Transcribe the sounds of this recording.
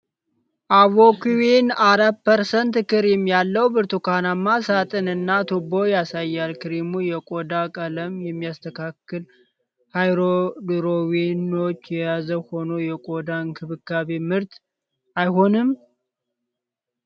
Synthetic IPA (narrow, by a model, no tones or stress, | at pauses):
ʔaβokwinaɾat̚pʰəɾsənt̪kɨɾjɛmːijalːəwbɨɾt̪ʰukʰanamːasat̪ʼɨnɨnːat̪ʰobo̞jasajːalkɨɾimujɛkʼo̞d̪akʼələmjɛmːijast̪ʰəkʰakːɨl | hajɾod̪ɨɾowino̞t͡ʃːjɛjazəwho̞no̞jɛkʼod̪ankʰɨβɨkːaβemɨɾt̪ | ʔajho̞nɨm